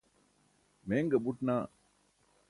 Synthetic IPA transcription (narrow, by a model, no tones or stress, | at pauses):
meːŋɡebuʈnaː